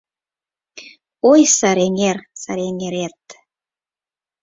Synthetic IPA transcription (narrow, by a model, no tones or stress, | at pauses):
ojsɑɾeŋersɑɾeŋeɾet̪